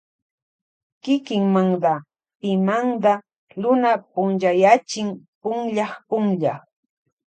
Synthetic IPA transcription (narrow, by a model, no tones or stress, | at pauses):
kɪkɪŋmaŋd̪a | pɪmaŋd̪a | ɾʊnapʊnʒajat͡ʃɪŋ | pʊŋʎɑχpʊŋʎa